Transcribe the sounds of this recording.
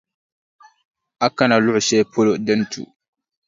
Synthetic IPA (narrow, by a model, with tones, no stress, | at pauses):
ʔa˦kːa˦na˨lu˦ʔu˨sɛː˦pʰo˦lo˨dɛ˦ntʰṵ˨